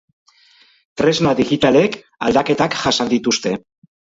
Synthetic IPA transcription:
t̪ɾe̞zmaðiɣit̪ale̞k | ald̪ake̞t̪akʝasand̪it̪ust̪e̞

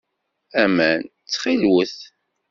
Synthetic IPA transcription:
æmæn | t͡sːχilwəθ

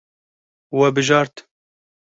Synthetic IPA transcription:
wɛbɨʒɑːɾt̪

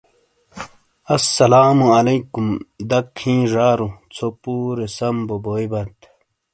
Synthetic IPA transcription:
ɐsːɐlaːmuɐleːkumd̪ɐkʰhĩːʐaːɾut͡sʰopuːɾesɐmboboːjbɐt̪

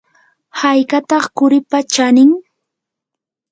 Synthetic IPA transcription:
hajkat̪ɑχkʊɾɪpat͡ʃanɪŋ

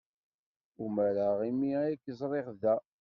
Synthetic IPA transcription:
umæɾaʁimiæækːəzˤɾˤeʁðæ

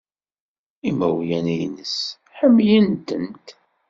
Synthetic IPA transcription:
imæwjænijnəs | ħəmːjənt̪ənt̪

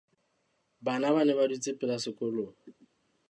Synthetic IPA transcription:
banabanɛβadit͡sʼɪpʼɪlasɪkʼʊlo

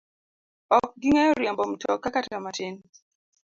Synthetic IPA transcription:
ɔk̚ɡiŋɛɔɾjɛmbɔm̩tʰɔkːakattɔmatɪn

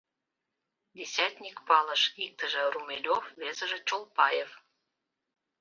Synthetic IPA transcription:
d̪ʲesʲæt̪ʲnʲikpɑlə̆ʃik̚t̪əʒə̆rumʲelʲofβezə̆ʒə̆t͡ɕolˠpɑjef

